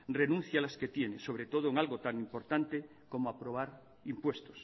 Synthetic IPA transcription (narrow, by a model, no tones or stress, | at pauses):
re̞nũn̟θjalasket̪je̞neso̞βɾet̪o̞ð̞oeŋalɣot̪aŋimpo̞ɾt̪ant̪e | ko̞moapɾo̞β̞aɾ | impwe̞st̪os